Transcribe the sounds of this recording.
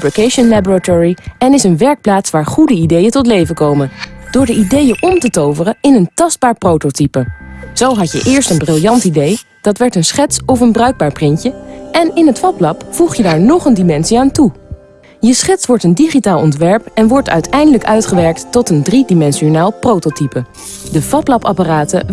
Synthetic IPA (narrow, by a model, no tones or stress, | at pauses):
pɹokejʃənlabəɹatɔɹiɛnɪsənʋɛɹk̚plaːtsʋaːɹχudəidejəntɔtlejvəkowmənd̥ʊːɹdəidejəʔɔmtətowvərəɪnəntɑsd̚baːɹprowtotipəz̥owɦɑcjə̰ʔɪːɹstənbrɪlˠjɑntidej | d̥ɑtʋɛɹtənsχɛtsɔfənbrœɥɡ̚baːɹprɪncəɛnɪnɦətfɑplɑpfuχjədaːɹnɔχəndimɛnsiaːntu | jəsχɛtsʋɔɹtəndiχitaːlˠɔntʋɛɹpɛnʋɔɹtœ̰ɥtʰɛjndələkœɥtχəʋɛɹk̚tːɔtəndridimɛnsonaːlˠprowtotipə | dəvɑplɑpɑ̰paraːtə